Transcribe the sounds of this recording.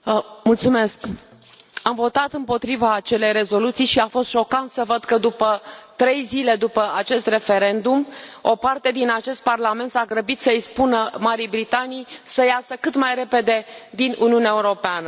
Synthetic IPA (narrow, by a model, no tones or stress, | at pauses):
mult̪sume̞sk | amvo̞t̪at̪ɨmpo̞t̪ɾivaːt͡ʃe̞le̞jɾe̞zo̞lut̪sijʃiafost̪ʃo̞kant̪səvəd̪kəd̪upət̪ɾe̞jzile̞d̪upəat͡ʃe̞st̪re̞fe̞ɾe̞nd̪umo̞̰part̪e̞d̪inat͡ʃe̞st̪̚parlame̞nt̪saɡɾəbit̪səispunəmaɾijbɾit̪anijsəjasəkɨt̪majre̞pe̞d̪e̞d̪inʔuniunaeuɾo̞peanə